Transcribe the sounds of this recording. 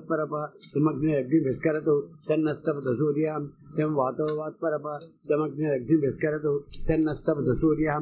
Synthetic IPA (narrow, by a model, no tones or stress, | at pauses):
t̪̚pɐɾɐpɐt̪ɐmɐɡnɐjɐɡ̚niʋɪskɐɾɐt̪ut̪ɐnːɐst̪ɐpɐd̪ɐsuːɾjɐɦɐmt̪emʋaːt̪ɐʋʋaːt̪̚pɐɾɐpat̪ɐmɐɡ̚nɐjɐɡ̚niʋɪskɐɾɐt̪ut̪ɐnːɐst̪ɐpɐd̪ɐsuːɾjɐɦɐ